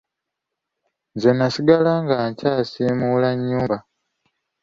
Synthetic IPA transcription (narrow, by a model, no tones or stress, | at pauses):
zenːasiɡalaŋɡaɲcaːsiːmulaɲːuːmba